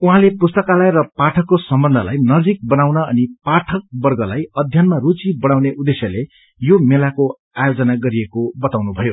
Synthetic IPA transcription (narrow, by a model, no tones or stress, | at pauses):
uɦãlepust̪ʌkalajɾʌpaʈʰʌkːosʌmbʌnd̪ʱʌla̰jnʌd͡zik̚bʌnawnʌʌnipaʈʰʌk̚bʌrɡʌlajʌd̪ʱjʌnmarut͡sibʌɽ̃awneʔud̪esjʌle | jomelako | ajod͡zʌnaɡʌɾiekobʌt̪awnubʱʌjo